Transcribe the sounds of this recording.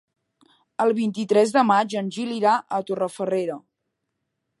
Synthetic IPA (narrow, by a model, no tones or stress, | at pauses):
əlˠβint̪it̪ɾɛzðəmad͡ʒənʲʒiliɾaʔət̪orəfəreɾə